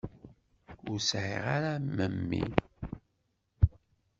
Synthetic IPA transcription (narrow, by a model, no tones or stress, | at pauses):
ʊɾsʕḭʁaɾaməmːḭ